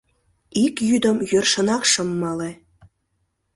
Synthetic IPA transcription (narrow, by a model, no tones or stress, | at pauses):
ikjyd̪ə̆mjørʃə̆nɑkʃɤ̆mːɑle